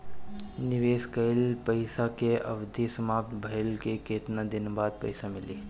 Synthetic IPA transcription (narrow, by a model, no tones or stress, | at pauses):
nɪʋeːskəjɪlpəɪsakeʔɐ̰ʋd̪ʱisəmaːp̚t̪bʱəjlkekeːt̪nad̪ɪnbaːd̪̚pɐ̰ɪsamɪliː